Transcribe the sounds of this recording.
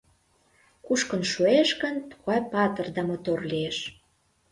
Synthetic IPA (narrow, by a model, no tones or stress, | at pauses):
kuʃkə̆nʃueʃkə̆nt̪u̥ɣɑjpɑt̪ə̆rd̪ɑmot̪orlieʃ